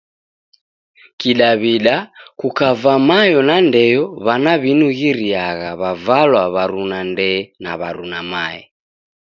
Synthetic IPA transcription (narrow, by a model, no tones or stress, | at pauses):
kiɗaβiɗakukavamajɔnandɛjɔβanaβinuɣiɾiaɣaβavalwaβaɾunandɛna̰βaɾunamaɛ̰